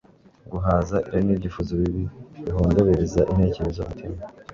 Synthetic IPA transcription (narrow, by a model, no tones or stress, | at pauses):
ɡuɦaːzaʔiɾaɾinibɟifuzoβiβiβiɦoːndoβe̞ɾezaʔin̥he̞ːce̞ɾezoutʰima